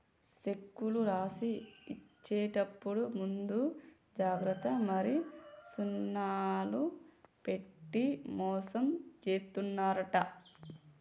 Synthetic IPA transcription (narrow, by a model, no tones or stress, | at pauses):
ʃe̞kːuluɾaːsiːt͡ʃːeːʈɐpːuɽumund̪u | d͡ʒaːɡɾɐt̪ːɐmɐɾisunːaːlupe̞ʈːimɔːsɐmt͡ʃeːst̪unːaːɾɐʈɐ